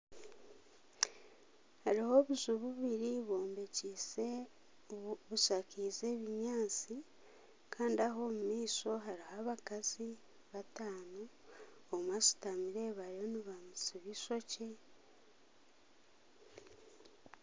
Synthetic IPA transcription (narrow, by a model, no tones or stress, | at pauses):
haɾiho̞βuzuβuβiɾiβo̞ːmbe̞cise | βuʃakiːze̞ːβiɲaːt͡si | kʰaːndiaɦo̞ːmumiːso̞ɦaɾihaβakazi | βataːno | omwasi̥tamiɾe̞ːβajo̞niβamusiβiso̞ce̞